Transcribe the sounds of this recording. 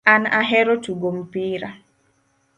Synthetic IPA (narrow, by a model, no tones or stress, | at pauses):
anaɦɛɾɔtuɡompiːɾa